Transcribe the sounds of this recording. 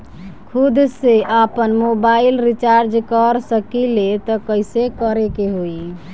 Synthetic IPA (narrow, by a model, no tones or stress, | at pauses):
kʰud̪seʔapənmobailɾit͡ʃaɾd͡ʒkəɾsəkilet̪ɔkəjsekəɾekeɦoi